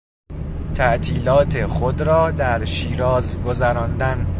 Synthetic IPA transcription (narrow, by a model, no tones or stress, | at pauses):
t̪ʰæʔt̪ʰiːlɒːt̪ʰeχod̪ɾɒːd̪æɾʃiːɾɒːzɡozæɾɒːnd̪æn